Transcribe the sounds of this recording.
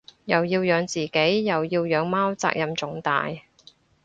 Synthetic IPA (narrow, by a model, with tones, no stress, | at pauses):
jɐ˨wjiː˧wjœː˨˧ŋt͡siː˨ke˨˥jːɐ˨wjiː˧wjœː˨˧ŋmaː˥wt͡sa̰ː˧k̚jɐ˨mt͡sʊ˨˥ŋt̪a̰ː˨j